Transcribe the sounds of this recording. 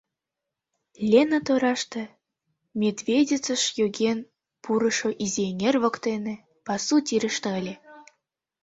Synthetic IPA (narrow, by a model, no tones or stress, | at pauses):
lʲenət̪oɾɑʃt̪ĕ | mʲed̪vʲedʲet͡sə̆ʃjoɡʲen | puɾɤ̆ʃoʔizʲenʲerβə̆kt̪enĕ | pɑsut̪ʲiɾə̆ʃt̪ɤ̆əlʲĕ